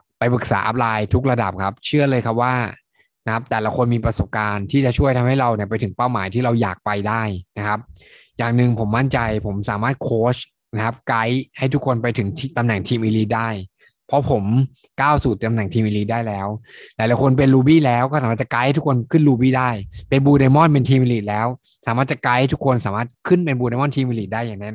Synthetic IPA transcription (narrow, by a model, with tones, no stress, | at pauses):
pa˧jpɯ˨˩k̚saː˩˦ʔa̰˦˥p̚laː˧jt̪ʰu˦˥k̚ɾa˧da̰˨˩p̚kʰa˦˥p̚t͡ɕʰɯ˥˩ɐlɤː˧jkʰa˦˥p̚waː˥˩ | na˦˥kʰa˦˥p̚t̪ɛː˨˩la˦kʰo˧nmiː˧pɾa˧so˨˩p̚kaː˧nt̪ʰiː˥˩t͡ɕa˨˩t͡ɕʰu˥˩əjt̪ʰa˧mha˥˩jɾa˧wni˥˩ɐp̬a˧jt̪ʰɯ˩˦ŋpaː˥˩wmaː˩˦jt̪ʰiː˥˩ɾa˧wjaː˨˩k̚pa˧jdaː˥˩jna˦˥kʰa˦˥p̚ | jaː˨˩ŋnɯ˨˧ŋpʰo˩˦mːa˥˩nt͡ɕa˧jpʰo˩˦msaː˩˦maː˥˩t̪̚kʰoː˦˥t͡ɕʰ | na˦˥kʰa˦˥p̚ka˦˥jha˥˩jt̪ʰu˦˥kʰo˧npa˧jt̪ʰɯ˩˦ŋt̪ʰt̪a˧mna˨˩˦ŋt̪ʰiː˧mʔiː˧liː˦˥t̪̚daː˥˩j | pʰɔ˦˥pʰo˩˦m | kaː˥˩wsuː˨˩t̪a˧mna˨˩ŋt̪ʰiː˧mʔiː˧liː˦˥t̪̚daː˥˩jlɛː˦˥wlaː˨˦jla˨˧˩jkʰo˧np̬e˧nɾuː˧biː˥˩lɛː˦˥wkɔː˥˩saː˨˦aː˥˩t͡ɕkaː˧˦ht̪ʰu˦˥kʰo˧nkʰɯ˥˩nɾuː˧biː˥˩daː˥˩jpe˧nbuː˧ɾa˧jmɔ˥˩np̬e˧nt̪ʰiː˧mi˧liː˨˩t̪̚lɛː˦˥w | saː˨˦maː˥˩t͡ɕa˨˩ka˧˦ht̪ʰu˦˥kʰo˧nsaː˩˦maː˥˩t̪̚kʰɯ˥˩npe˧nbu˧ɾa˧jmɔ˥˩nt̪ʰiː˧mʔiː˧li˨˩t̪̚daː˥˩jːaː˨˩ŋna˦˥